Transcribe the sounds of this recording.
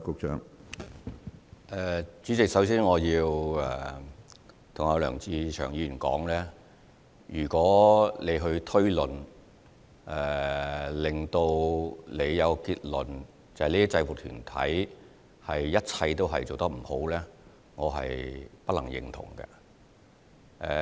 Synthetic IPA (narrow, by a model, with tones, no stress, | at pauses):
kʊ˧k̚t͡ʃʰœ̰ː˨˥ŋ | ʔɛː˨˧t͡ʃyː˨˥t͡sɪ˨k̚sɐ˨˥wsiː˥nŋɔː˨˧jiː˧wɛː˨ | t̪ʰʊ˨˩ŋɔ˨˧lœː˨˩ŋt͡siː˧t͡ʃʰœː˨˩ŋjiː˧y˨˩nkɔ̰ː˨˥ŋlɛː˥ | jyː˨˩kɔː˨˥le˨˧jɦɵ˧ɥt̪ʰɵ˥ɥlɵ˨n | ʔɛː˨˩lɪ˨ŋt̪o˧wle˨˧jːɐ˨˧wkɔ˧kiː˧t̚lɵ˨n | t͡sɐ˨hliː˥t͡sɐ˧wuː˨k̚t̪ʰyː˨˩nt̪ʰɐ̰˨˥j | hɐ˨jːɐ˥t̚t͡sʰɐ˧jt̪o˥wɦɐ̰˨jt͡so˨wt̪ɐ˥k̚m̩˨˩ho˨˥wlɛː˥ | ŋɔː˨˧ɦɐ̰˨jpɐ˥t̚lɐ˨˩ŋjɪ̰˨ŋt̪ʰʊ̰˨˩ŋkɛ̰˧ | ʔɛ̰ː˧